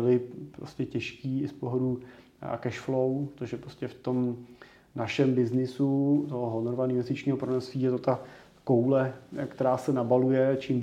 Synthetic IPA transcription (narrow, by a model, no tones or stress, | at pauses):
ɪlɪpɾoscɛcɛʃkiːɪspoɦodṵː | kɛʃflowt̪oʒɛpɾoscɛft̪o̞m | naʃɛmbɪznɪsut̪oɦoɦonoɾvanɪnvɛst̪ɪt͡ʃɲiːɦopɾonɛsviːjɛt̪ot̪a | ko̞wlɛkt̪ɛɾaːsɛnabalujɛt͡ʃiːm